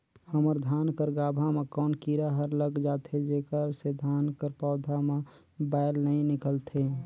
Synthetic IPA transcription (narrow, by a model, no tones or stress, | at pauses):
həməɾd̪ʱaːnkəɾɡaːbʱamekɔːnkiɾaɦəɾləɡd͡ʒaːt̪ʰed͡ʒekəɾsed̪ʱaːnkəɾpɔːd̪ʱamẽ | baɪlnəĩnɪkəlt̪ʰe